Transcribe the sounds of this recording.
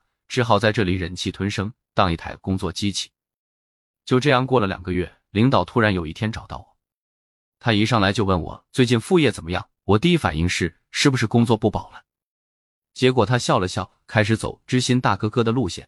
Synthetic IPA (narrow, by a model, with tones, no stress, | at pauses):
ʈ͡ʂɻ̩˥xɑ˥˩ʊt͡sa˥˧ɪʈ͡ʂɤ˥˩li˨˩ɻə˧˥nt͡ɕʰi˥˩t̪ʰwə˧˥nʂɤ˥ŋ | t̪ɑ˥˧ŋi˥˩t̪ʰa̰˧˥ɪkʊ˥ŋt͡swɔ˥˩t͡ɕi˥t͡ɕʰi̥˨˩˦ | t͡ɕjo˥˧ʊʈ͡ʂɤ˥˧jɑ˥˩ŋkwɔ˥˩lə˩ljɑ̰˨˩ŋɡə˦ɥɛ˥˩ | li˧˥ŋt̪ɑ˨˩ʊt̪ʰu˥ɻa˧˥njo˨˩ʊi˥˩tʰjɛ˥nʈ͡ʂɑ˨˩t̪ɑ̰˥˩ʊwɔ˨˩˦ | t̪ʰa˥i˧˥ʂɑ˥˩ŋla˧˥ɪt͡ɕjo˥˧ʊwə˥˩nwɔ̰˨˩˦t͡swe˥˧ɪt͡ɕi˥˧nfu˥˧jɛ˥˩t͡sə˨˩mə˦jɑ̰˥˩ŋwɔ˨˩t̪i˥˧i˥fa̰˨˩ni˥˧ŋʂɻ̩˥˩ | ʂɻ̩˥˩bu˩ʂɻ̩˥˩kʊ˥ŋt͡swɔ˥˧pu˥˩pɑ˨˩ʊlə˦ | t͡ɕjɛ˧˥k̬wɔ˨˩t̪ʰa˥ɕjɑ˥˩ʊlə˩ɕjɑ˥˩ʊkʰa˥ɪʂɻ̩˧˥t͡so̰˨˩ʊʈ͡ʂɻ̩˥ɕi˥nt̪a˥˩kɤ˥kɤ˥d̪ə˨lu˥˧ɕjɛ̰˥˩n